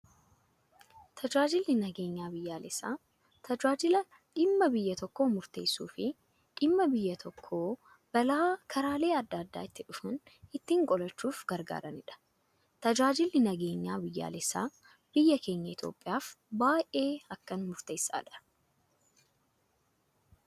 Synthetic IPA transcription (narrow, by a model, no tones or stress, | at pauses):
t̪ʰɐd͡ʒaːd͡ʒɪlːɪnɐɡe̞ːɲːaːbɪjːaːlɛsːaː | t̪ʰɐd͡ʒaːd͡ʒɪlɐ | ᶑɪmːɐbɪjːɐt̪ɔkːo̞ːmʊɾt̪e̞ːsuːfɪ | ᶑɪmːɐbɪjːɐt̪ʰɔkʰːo̞ː | b̥ɐlaːkʰɐɾaːle̞ːɐd̪ːɐːd̪ːa̰ːɪt̪ːɪᶑʊfɐnɪt̪ːiːŋkʼɔlɐt͡ʃːuːfɡɐɾɡa̰ːɾɐnɪᶑɐ̥ | t̪ɐd͡ʒaːd͡ʒɪlnɪnɐɡe̞ːɲːa̰ːbɪjːa̰ːlɛsːa̰ː | b̥ɪjːɐke̞ːɲːɐɪt̪ʰjo̞̰ːpʼːɪjaːfbaːʔe̞ːɐkːɐnmʊɾt̪e̞ːsa̰ːᶑɐ̥